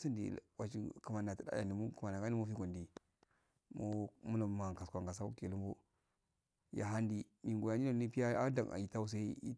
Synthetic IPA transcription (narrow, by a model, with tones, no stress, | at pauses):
si˦ndḭ˨wa˨t͡ʃi˦kə˨ma˨na˨ti˦da̰˦a̰˨ndi˨mu˦ku˨ma˨na˨ka˦ni˦mu˦fi˦kʷo˨ndi˨ | mo˦mu˦la˨ma˨ka˨skʷa˨ŋɡa˨s̬a˦u˦ke˨lu˦mbu˦ | ja̰˨ɦa˦ndi˦ | mi˨ŋɡo˨ja˨ni˦a˨˦ni˦pi˦ja˦a˦da˨a̰˨ji˨ta˦u˦s̬a˦i˦i˦